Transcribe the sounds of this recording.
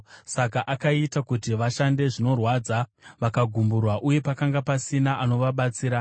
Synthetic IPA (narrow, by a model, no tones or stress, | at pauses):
sakaʔakaitakutiʋaʃande̞ʐino̞rwaːd͡zaʋakaɡʱumburwaʔuje̞pakaŋɡapasinaʔano̞ʋaɓat͡siːɾa